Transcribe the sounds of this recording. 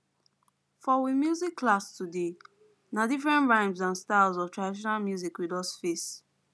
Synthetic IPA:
fɔwimjuzikʰːlastude | nadifɹɛ̃ntɹãɪ̃mzãnstalzɔvtʰɹadiʃɔnalmjuzikwidɔsfes

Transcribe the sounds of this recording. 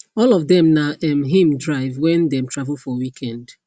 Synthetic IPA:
ɔlɔvdɛ̃mnaʔɛ̃mɦĩmdɹaɪvwɛ̃ndɛ̃mtʰɹavəlˠfɔwikʰɛ̃nd̥

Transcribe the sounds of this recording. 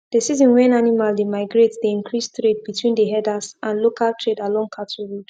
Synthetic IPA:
d̥əsizɔ̃nwɛ̃nanimaldemaɪɡɹetdeĩnkʰɹistɹed̚bitʰwĩndəɦɛdasʔãnlokaltʰɹedalɔ̃ŋkʰatʰɔɹud

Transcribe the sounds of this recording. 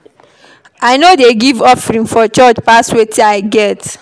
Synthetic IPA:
aɪnodeɡivɔfɹĩnfɔt͡ʃɔt͡ʃpaswetʰiaɪɡɛt

